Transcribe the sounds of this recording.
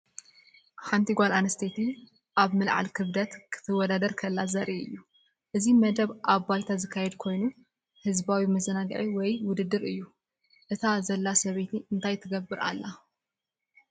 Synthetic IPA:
ħant̪ʰiɡʷalanɨst̪ʰet̪ʰi | ʔaβmɨlʕa̰lkʰɨβd̪ɐt̪kʰɨ̥t̪ʰɨwːɔd̪ad̪ɐɾkʰɐlːazɐɾʔiɨ̰jːu | ʔɨzimɐd̪ɐβʔaβːajt̪ʰazɨkʰːajɛd̪kʰo̞jnu | hɨzbawimɐzɐnaɡ̰ʕiwɔjwʊd̪ɨd̪ːɨɾɨjːu | ʔɨt̪ʰazɐlːasɐβet̪ʰiɨnt̪ʰajt̪ʰɐɡɐbːɨɾa̰lːa

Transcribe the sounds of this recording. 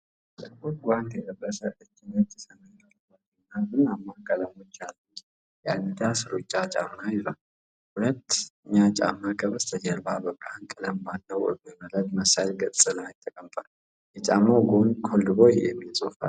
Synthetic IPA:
sɨkotɡʷand̪jɛt̪ʼərəsəʔɨt͡ʃːinət̪isənəjlalbalɨnːamɨnamːakʼələmɔt͡ʃːalːə | jɛa̰nid̪asɨɾot͡ʃʼːat͡ʃʼa̰mːajɪzal | hulət̪ːɨɲːat͡ʃʼa̰mːakʰʼəβəst̪ʰəd͡ʒəlbabəkʼːahnkʼɨnəmbalːəwɔ̰məmələt̪məsajlɡət͡sʼɨnəwajɪt̪ʰːəkʼəmt̪ʼal | jɛt͡ʃʼamːaɡonkʰolːɨβojjɛmːisʼofa̰l

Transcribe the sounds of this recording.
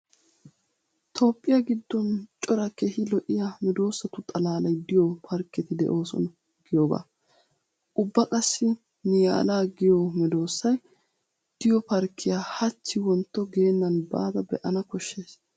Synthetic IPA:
t̪ʰo̞ːpʼːɪjɐɡɪd̪ːɔnt͡ʃʼɔɾɐkehɪlɔʔɪjamɛd̪o̞ːsːɐt̪ʊt̪ʼɐlaːlɐjd̪ɪjɔpʰɐɾkːɛt̪ɪd̪ɛ̰ʔo̞ːsɔ̰n | ɡɪjoːba̰ː | ʔʊbːɐkʼɐsːɪ | nɪja̰ːlaːɡɪjɔmɛd̪o̞ːsːɐj | d̪̥ɪjɔpɐɾkʰːɪjaːhɐt͡ʃːɪwɔnt̪ːɔɡe̞ːnːɐnba̰ːd̪ɐbɛ̰ʔɐnɐkɔʃːe̞ːs

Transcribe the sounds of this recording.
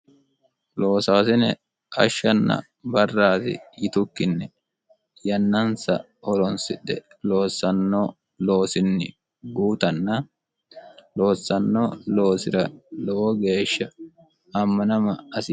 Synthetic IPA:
lo̞ːsaːsɪnɛ̰ | ʔɐʃːɐnːɐ̰ | bɐrːaːt̪ɪ̰jɪt̪ʊkːɪnːɛ | jɐnːɐnsɐ̰ | hɔɾɔnsɪɗɛ | lo̞ːsːɐnːoː | lo̞ːsɪnːɪ̰ | ɡuːt̪ɐnːɐ | lo̞ːsːɐnːoːlo̞ːsɪɾɐlɔʔɔɡe̞ːʃːɐː | mːɐnɐmɐɐsɪ

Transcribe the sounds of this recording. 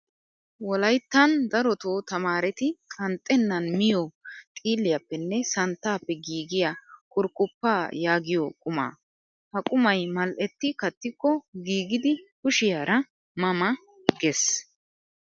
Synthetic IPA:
wɔlɐjt̪ːɐnd̪ɐɾɔt̪oːt̪ɐmaːɾɛt̪ɪkʼɐnt̪ʼːɛnːɐnmɪjɔt̪ʼiːlːɪjɐpːɛnːɛsɐnt̪ːaːpːɛɡiːɡɪjakʼʊɾkʼːʊpːaːjaːɡɪjɔkʼʊma̰ː | hɐkʼʊmɐjmɐlʔɛt̪ːɪkɐt̪ːɪkːɔɡiːɡɪd̪ɪkʊʃɪjaːɾʔɐ | mɐmɐ | ɡɛs

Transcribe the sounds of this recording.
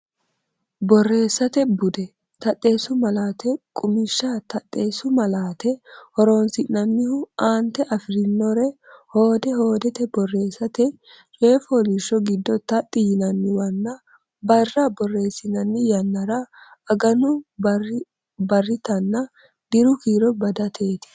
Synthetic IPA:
bɔrːe̞ːsːɐt̪ɛbʊd̪ɛ | t̪ɐt̪ʼːe̞ːsʊmɐlaːt̪ʰɛkʼʊmɪʃːat̪ɐt̪ʼːe̞ːsʊmɐlaːt̪ɛhɔɾoːnsɪnːɐnːɪhʊaːnt̪ːɛʔɐfɪɾɪnːɔɾɛhoːd̪ɛho̞ːd̪ɛt̪ɛbɔrːe̞ːsːɐt̪ɛ | t͡ʃʼe̞ːfɔːlɪʃːɔɡɪd̪ːɔt̪ɐt̪ʼːɪjɪnɐnːɪwɐnːɐ | bɐrːɐbɔrːe̞ːsːɪnɐnːɪjɐnːɐɾɐɐɡɐnʊ | bɐrːɪt̪ɐnːɐ | d̪ɪɾʊkiːɾɔbɐd̪ɐt̪ʰe̞ːt̪ɪ̥

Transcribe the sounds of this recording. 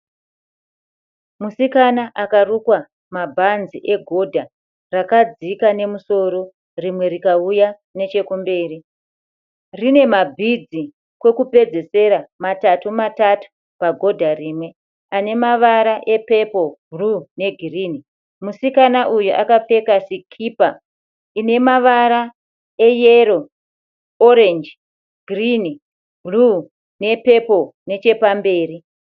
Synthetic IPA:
musikanaʔakarukwa | mabʱanziʔe̞ɡʱo̞dʱa | rakad͡zikane̞muso̞ɾo̞ | rimwe̞ɾikauja | ne̞t͡ʃe̞kumbe̞ːri | rine̞mabʱid͡zi | kwe̞kupe̞d͡ze̞se̞ɾamatatumatatu̥ | paɡʱo̞dʱarimwe̞ | ane̞maʋaɾaʔe̞pe̞po̞ɡʱrune̞ɡʱiriːni | musikanaʔujuʔakafe̞kasikʰiːpa | ine̞maʋaɾa | e̞jeɾo̞ | oɾe̞nd͡ʒ | ɡ̥ʱrini | ɡʱru | ne̞pe̞po̞ne̞t͡ʃe̞pambe̞ːri

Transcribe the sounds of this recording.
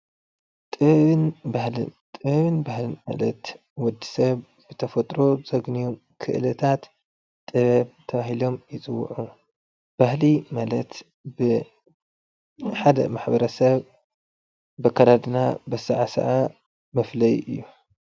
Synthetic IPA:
t̪ʼɨβɨnbahlɨ̰nt̪ʼɨβɨnbahlɨnma̰lɐt̪ | wɔd̪ːisɐβ | b̥ɨt̪ʰɐfɐt̪ʼɾo̞z̥ɐɡnijom | kʰɨ̰ʔɨlɐt̪ʰat̪ | t̪ʼːɨβɐβt̪ʰɐβaɦilo̞mjɪt͡sʼɨwːṵʕu | b̥ahlimalɐt̪ | bɨ | ħad̪ɐ̰maħbɐɾɐsɐβ | bɐkʰːad̪ad̪ɨnabɐsɨʕasɐ̰ʔa | mɐflɐjɨjːu

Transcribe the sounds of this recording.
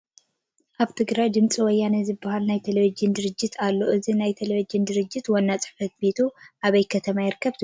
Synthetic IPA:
ʔaβt̪ʰɨɡɾajd̪ɨmt͡sʼiwɔjːanɐzɨbːɐhalnajt̪ʰeleβid͡ʒɪnd̪ɨɾɨd͡ʒːɪt̪ʰalːo̞ʔɨzinajt̪ʰeleβid͡ʒɨnd̪ɨɾɨd͡ʒːɪt̪wɐnːat͡sʼɨ̥ħfɐt̪̚bet̪ʰuʔaβɐjkʰɐt̪ʰɐmajɪɾkʰːɐβt̪

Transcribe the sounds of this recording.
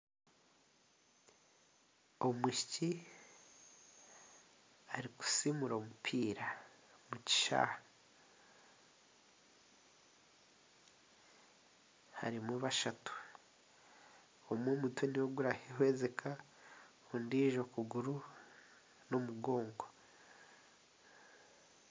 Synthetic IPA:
omwiʃici | aɾiku̥simuɾo̞ːmupʰiːɾamuci̥ʃa̰ | ha̰ɾimwuβaʃatu̥ | omwoːmutweniwoɡuɾahehwe̞ːze̞kʰa | kundiːʒo̞kuɡuɾu | no̞muɡo̞ːŋɡo

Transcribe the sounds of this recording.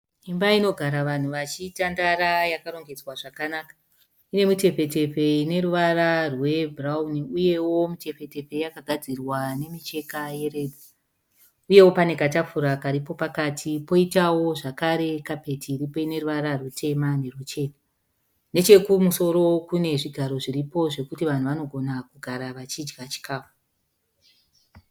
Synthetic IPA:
imbaino̞ɡʱaɾaʋan̤uʋat͡ʃitandaɾajakaɾo̞ŋɡe̞d͡zwaʐakanaːkḁ | ine̞mute̞pe̞te̞pe̞ine̞ɾuʋararwe̞bʱrauniuje̞wo̞mute̞ɸe̞te̞pe̞jakaɡʱad͡zirwane̞mit͡ʃe̞kaje̞re̞dʱa | uje̞wo̞pane̞katafuɾakaɾipo̞pakatʰipo̞itawo̞ʐakaɾe̞kape̞tʰiːɾipo̞ine̞ruʋaɾarutʰe̞mane̞rut͡ʃe̞ːda | ne̞t͡ʃe̞kumuso̞ɾo̞kune̞ʐiɡʱaɾo̞ʐiɾipo̞ʐe̞kutiʋan̤uʋano̞ɡʱo̞nakuɡʱaɾaʋat͡ʃid͡ʒɡat͡ʃi̥kʰaːfu̥

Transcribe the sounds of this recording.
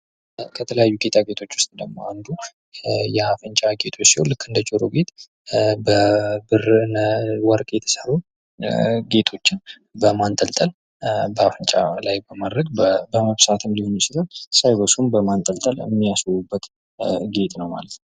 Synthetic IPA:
kʰət̪ʰələjajːuɡe̞t̪ʰaɡe̞t̪ʰo̞t͡ʃːwʊ̥st̪ʼd̪əɡmo̞̰and̪u | jɛafɨnt͡ʃʼaɡe̞t̪ʰo̞t͡ʃːsihonlɨkːɨnd̪ət͡ʃʼoɾoɡe̞t̪ʼ | bəbɨrnəwɔɾkʼjɛt̪ʰə̥səɾu | ɡe̞t̪ʰo̞t͡ʃːɪn | bəmant̪ʼəlt̪ʼəl | bəafɨnt͡ʃʼa̰lajbəmad̪ɾəɡbəməβsat̪ʰɨnlihonsɪt̪ʰəlsajbəsumbəmant̪ʼəlt̪ʼələ̰mːijaswubːət̪ | ɡe̞t̪ʼnəwma̰lət̪nəw

